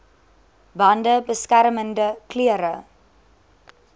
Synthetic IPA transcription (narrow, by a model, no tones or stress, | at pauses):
bɐndəbəskærməndəkliəɾə